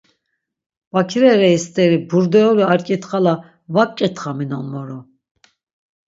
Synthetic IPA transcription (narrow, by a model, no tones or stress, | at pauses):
b̥akʰɾɛɾɛist̪ʼɛɾibuɾd̪ɛɔliaɾkʼit̪χala | vap̚ʼkʼɛt̪ʰχaminɔnmɔɾɔ